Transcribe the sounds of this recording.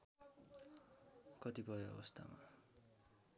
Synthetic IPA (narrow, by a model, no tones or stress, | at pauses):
kʌt̪ibʱʌeʌ̰bʌst̪ʰa̰ma̰